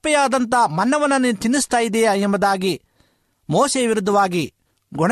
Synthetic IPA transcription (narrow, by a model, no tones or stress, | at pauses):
pɐjaːd̪ɐnt̪ɐmɐnːɐʋɐnːɐnːit̪inːist̪aːjid̪eːɛmbɐd̪aːɡi | moːseʋiɾud̪ːɐʋaːɡi | ɡɔɳ